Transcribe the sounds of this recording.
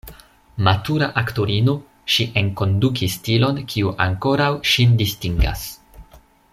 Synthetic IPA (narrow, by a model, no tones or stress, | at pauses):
matuɾaʔaktoɾino | ʃiʔe̞ŋko̞ndukistilo̞nkʰiuʔaŋko̞ɾawʃindistiŋɡa̰s